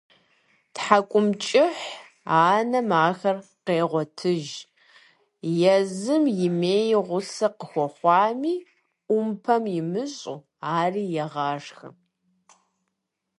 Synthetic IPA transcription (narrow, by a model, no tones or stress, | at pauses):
tħakʷʼʊmt͡ʃʼɪħ | aːnɐmaːxɐrqeːʁʷɔtʰɨʒ | jɛzɨmjɪmeːjʁʷʊsɐqəxʷɔχʷɑːmiː | ʊmpʰɐmjɪmɨɕʼṵ | aːriːjɛʁɑːʂxɨ̰